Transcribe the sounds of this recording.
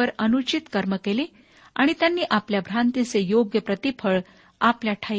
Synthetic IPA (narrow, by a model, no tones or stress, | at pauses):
əɾənut͡ɕit̪kəɾməkele | a̰ɽ̃it̪janːiːʔapljabʱɾãnt̪it͡sejoɡjəpɾət̪ipʰəɭ | apljaʈʰa